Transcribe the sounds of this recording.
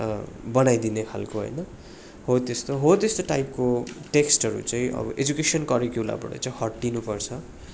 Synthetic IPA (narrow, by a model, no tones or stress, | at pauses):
bʌnajd̪inekʰa̰lkoɦo̰jnʌ | ɦot̪est̪oɦot̪est̪oʈajp̚koʈeksʈɦʌɾṵt͡sʌĩʔʌ̰bʌ̰ʔed͡zukesʌnkʌɾikjula̰bʌ̰ʈʌ̰t͡sʌĩɦʌʈɖinupʌrt͡sʰʌ